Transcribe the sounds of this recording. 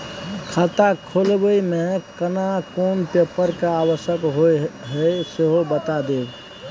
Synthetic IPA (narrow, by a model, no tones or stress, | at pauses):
kʰat̪akʰoːlbəimẽkənakoːnpeːpəɾkaaːwəʃəkɦoɦəseɦobət̪ad̪eːb